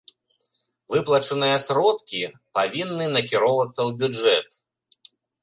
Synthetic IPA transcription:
vɨplˠɐt͡ʂɐnɨjɐsɾɔt̪kʲipavʲinːɨnɐkʲiɾɔvɐt̪sːɐwbʲud͡ʐɛt̪

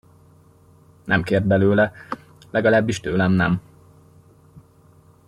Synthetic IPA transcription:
nɛmkeːrd̪̚bɛløːlɛ | lɛɡɒlaːbːiʃt̪øːlɛmnɛm

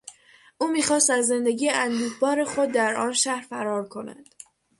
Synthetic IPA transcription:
ʔuːmiːxɒːst̪æzːe̞nd̪eɟiːjeʔænd̪uːhbɒːɾe̞xo̞d̪̚ːæɾɒːnʃæhɾfæɾɒːɾkʰo̞næ̰d̪̥

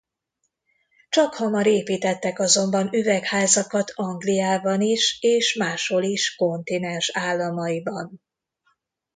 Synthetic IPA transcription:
t͡ʃɒkhɒmɒɾeːpiːt̪ɛt̪ːɛkɒzo̞mbɒnyvɛkhaːzɒkɒt̪ʰɒŋɡlijaːbɒniʃeːʃmaːʃho̞liʃko̞nt̪inɛnʃaːlːɒmɒjibɒn

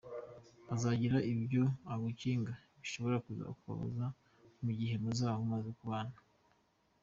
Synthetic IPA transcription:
azaɟiɾaʔibɟoaɡuciːŋɡaβiʃo̞βo̞ɾakuza̰kuβa̰βa̰za | muɟiɦe̞muzaːhomazekuβaːnḁ

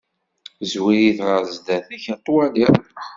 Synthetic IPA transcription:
zwijiθɾˤəzd̪æθæçæt̪ˤːwæliɾ

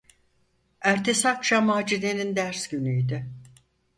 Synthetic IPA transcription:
æɾt̪ʰe̞sakt͡ʃamaːd͡ʒid̪enind̪æɾsɟynyjd̪ɪ

